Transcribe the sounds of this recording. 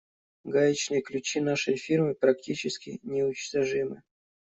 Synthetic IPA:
ɡajɪt͡ɕnɨjklʲʉt͡ɕinaʂəjfʲirmɨpɾɐktʲit͡ɕɪskʲɪnʲɪʊt͡ɕt̪ɐʐɨmɨ̰

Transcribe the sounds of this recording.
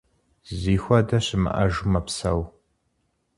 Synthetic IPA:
ziːxʷɐdɐɕɪmɨ̰ʔɐʒumɐpsɐw

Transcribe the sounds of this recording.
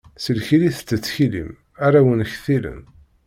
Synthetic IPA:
səlçiliθt͡sːət͡sːçilḭm | aɾawənçθilə̰n

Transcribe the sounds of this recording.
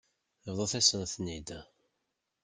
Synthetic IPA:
əvðˤoθæsənθnid̪

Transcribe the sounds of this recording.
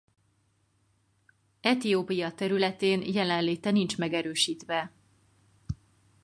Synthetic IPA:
ɛt̪ijoːpijɒt̪ɛɾylɛt̪eːnjɛlɛnleːt̪ɛnint͡ʃmɛɡɛɾøːʃiːt̪ʋɛ

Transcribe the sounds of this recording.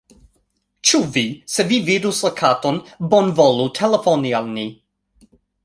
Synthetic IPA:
t͡ʃuvisevividuslakʰatonbonvolutʰelefonialni

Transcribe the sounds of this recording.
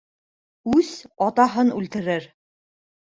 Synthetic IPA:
ʉzɒt̪ɑɦɤnʉlt̪ɘ̆ɾɘɾ

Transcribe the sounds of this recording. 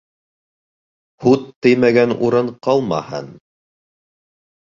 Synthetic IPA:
hut̪ːɘ̆jmæɡænuɾɤɴqɑlˠmɑ̰hɤ̰n

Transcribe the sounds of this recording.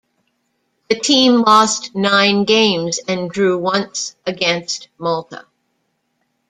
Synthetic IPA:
ðɨtʰĩmlɔstnãɪ̃nɡẽɪ̃mzɨ̃ndɹʉwʌ̃nsʔɨɡɛ̃nst̚mɔlˠtʰə̰

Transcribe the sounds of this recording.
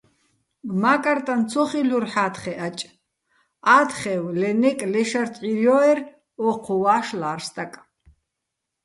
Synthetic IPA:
makʼaɾt̪ʼant͡sʰɔχiluɾħaːt̪χɛʔat͡ʃʼ | at̪χɛwlɛnɛkʼlɛʃart̪ʼʕiɾjɔɛr | ɔqʰɔwaːʃlaːrst̪ʼakʼ

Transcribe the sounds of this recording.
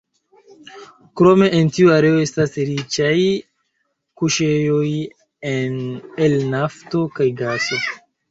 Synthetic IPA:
kɾo̞me̞ʔentiuaɾe̞o̞e̞stasɾit͡ʃaj | kuʃe̞jo̞j | enelnafto̞kajɡaso̞

